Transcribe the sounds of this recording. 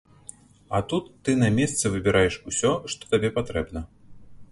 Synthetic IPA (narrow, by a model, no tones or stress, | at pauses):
ɐt̪ut̪ːɨnɐmʲɛst̪sɨvɨbʲɪɾʔajɛʂusʲɔʂt̪ɔ̥t̪abʲɛpat̪ɾɛbnɐ